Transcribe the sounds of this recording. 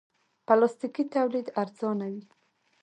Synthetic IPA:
palɑst̪ikit̪awlid̪aɾzɑnawi

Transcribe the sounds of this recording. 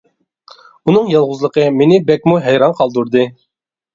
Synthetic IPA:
unɨŋjɑlˠʁʊzlˠəqʰəmenɪbɛk̚ʲmuɦɛjɾɑnqʰɑlˠd̪uɾd̪ɨ

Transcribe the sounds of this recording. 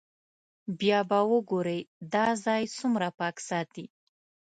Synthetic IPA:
bjɑbawəɡoɾejd̪ɑzɑjsumɾapɑksɑt̪i

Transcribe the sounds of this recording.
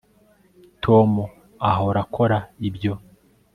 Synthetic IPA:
tʰomu | aɦoɾakʰo̞ɾaibjo̞

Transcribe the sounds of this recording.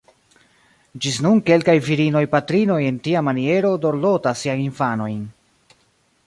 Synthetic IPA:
d͡ʒisnunke̞lkajviɾino̞jpatɾino̞je̞ntiamanie̞ɾo̞do̞ɾlo̞tasːiajinfano̞jn

